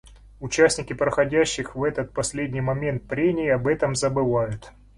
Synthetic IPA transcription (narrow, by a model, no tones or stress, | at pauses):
ʊt͡ɕæsʲnʲɪkʲɪpɾəxɐdʲæɕːɪxvɛt̪ət̪̚pɐsʲlʲedʲnʲijmɐmʲe̞nt̪̚pɾʲemʲɪːɐbɛt̪əmzəbɨvajʊt̪